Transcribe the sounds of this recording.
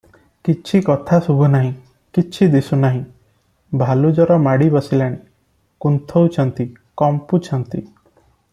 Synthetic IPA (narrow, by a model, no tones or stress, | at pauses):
kit͡ʃʰikɔt̪ʰasubʱunaɦĩ | kit͡ʃʰid̪isunaɦĩ | bʱalud͡ʒɔɾɔmaɽibɔsilaɽ̃i | kunt̪ʰɔwt͡ʃʰɔnt̪i | kɔmput͡ʃʰɔnt̪ḭ